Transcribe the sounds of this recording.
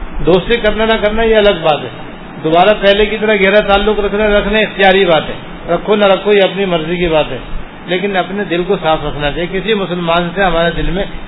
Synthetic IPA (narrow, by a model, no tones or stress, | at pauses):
d̪oːst̪ikɐɾnanɐkɐɾnajeɐləɡ̚baːt̪ɦɛ̰ː | d̪obaːɾapɛɦlekit̪̬ɐɾəɦɡɛːɾat̪aːlːʊkɾɐkʰnaɾɐkʰnaɪxt̪ijaːɾibaːt̪ɦɛ̰ː | ɾɐkʰonɐɾɐkʰojeɐpnimɐɾzikibaːt̪ɦɛ̰ː | leːkɪnɐpned̪ɪlkosaːfʰɾɐkʰnat͡ʃaːjekɪsimʊsəlmaːnseɦɐmaːɾed̪ɪlmẽ